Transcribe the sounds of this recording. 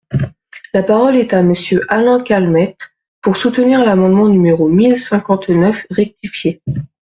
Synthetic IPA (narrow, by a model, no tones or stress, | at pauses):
lapaʁɔlɛt̪aməsjøʔalɑ̃kʲalmɛt̪ | puʁsut̪əniʁlamɑ̃d̪mɑ̃nymeʁomilsɛ̃kɑ̃t̪nœfʁɛk̚t̪ifje